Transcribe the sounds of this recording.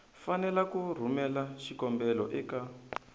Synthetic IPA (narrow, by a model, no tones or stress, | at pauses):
fanɛlakur̤umɛlaʃikɔmbɛlɔ̰ʔɛka